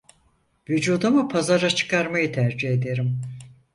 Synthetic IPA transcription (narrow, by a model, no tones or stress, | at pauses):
vyd͡ʒuːd̪amɯpʰazaɾat͡ʃʰɯ̥kʰaɾmajɯt̪ʰæɾd͡ʒihe̞d̪e̞ɾim